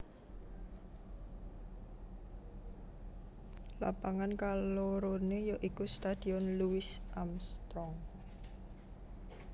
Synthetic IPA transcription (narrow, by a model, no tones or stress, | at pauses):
lapaŋankaloɾonejoʔikust̪ad̪̥iɔnluwɪsʔamst̪ɾɔŋ